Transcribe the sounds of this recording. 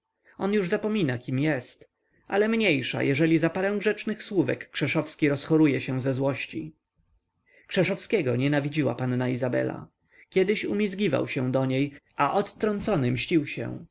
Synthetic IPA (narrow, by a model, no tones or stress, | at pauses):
ɔnjuʐzapɔmʲinakʲimjɛst̪ | ʔa̰lɛmɲejʂa̰jʔɛʐɛlʲizapaɾɛ̃w̃ɡʐɛt͡ʂnɘxswuvɛ̰kːʂɛʂɔfskʲiɾɔsxɔɾujɛɕɛ̃zɛzwɔɕt͡ɕi | kʂɛʂɔfskʲɛɡɔɲɛnavʲid͡ʑiwa̰panːaizabɛ̰la̰ | kʲjɛd̪ɘɕumʲizɡʲiva̰wɕɛw̃d̪ɔɲejʔaʔɔt̪ːɾɔnt̪sɔnɘmɕt͡ɕiwɕɛ̰